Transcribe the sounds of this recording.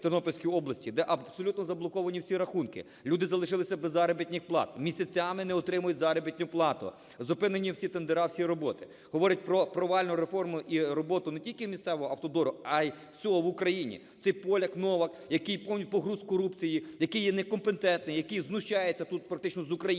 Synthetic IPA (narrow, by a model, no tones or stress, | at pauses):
t̪ɪnɔpɔlʲsʲkʲiɔblˠɐsʲtʲid̪ɛʔɐbsɔlʲut̪nɔzɐblˠɔkɔʋɐnʲiwsʲiɾɐxunkɪ̰ | lʲud̪ɪzɐlˠɪʃɪlˠɪsʲɐbezːɑɾɐbʲit̪ʲnʲɪxplˠɑ̰t̪̚mʲisʲɐt͡sʲamɪnɛɔt̪ɾɪmʊjʊtʲzɑɾɔbʲitʲnʲʊplˠɑt̪ʊ̰ | zɐpɪnenʲːiwsʲit̪end̪eɾɑwsʲiɾɔbɔt̪ɪ̥ | ɦɔʋɔɾʲɐt̚ʲpɾɔpɾɔʋɑlʲnʊɾefɔrmʊʔiɾɔbɔt̪ʊnetʲilʲkɪwmʲist̪sɛʋɔɦɔɐwt̪ɔd̪ɔɾʊɐjw̥sʲɔɦɔʋʊkɾɐjinʲḭ | t̪sɛjpɔlʲɐknɔʋɐkjɐkɪjpɔmnʲipɔɦɾuzkɔɾupt͡sʲijijɐkɪjːɛnɛkɔmpent̪ɛnt̪nɪjɐkɪjznʊʃt͡ʃajet͡sʲːɐt̪ut̪pɾɐk̚t̪ɪt͡ʃnɔzʊkɾɐj